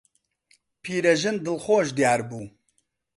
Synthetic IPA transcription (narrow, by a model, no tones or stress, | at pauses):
pʰiːɾɛʒɨnd̪ɨlxoːʒd̪jaːɾbuː